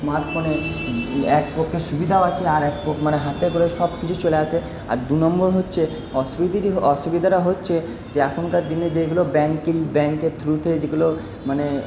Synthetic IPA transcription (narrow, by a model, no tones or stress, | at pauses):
smaɾʈfone | ɛk̚poɾkʰːeʃubid̪ʱaoat͡ɕʰeaɾɛk̚poɾmaneɦat̪ekoɾeʃɔbkit͡ɕʰut͡ɕoleaʃʰe | a̰ɾd̪unɔmboɾɦotːɕʰe | ɔʃubid̪iɾiɔʃubid̪ʱaɾaɦotːɕʰe | d͡ʑeakʰonkaɾd̪ined͡ʑeɡulobɛŋkilbɛŋkeɾt̪ʰɾut̪ʰed͡ʑeɡulo | mane